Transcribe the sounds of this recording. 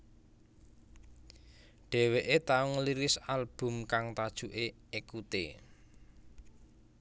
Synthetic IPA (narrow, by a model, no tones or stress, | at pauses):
ɖ̥ɛ̤weʔet̪auŋəliɾɪsalb̥ʊ̤mkaŋt̪ad̥ʒ̥uʔe | ekut̪ḛ